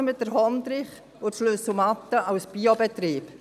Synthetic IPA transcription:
mɪt̚d̥əɾɦɔnd̪ɾɪχ | ʊtʃløsumɑt̪ːəɑwsb̥iɔbɛt̪ɾiːp

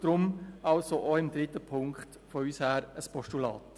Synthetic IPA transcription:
d̥ɾʊmɑlsoʔɔɪmd̪ɾɪt̪əpʰʊŋkχt | fɔyːshæːɾəspɔʃtulɑ̰ːt

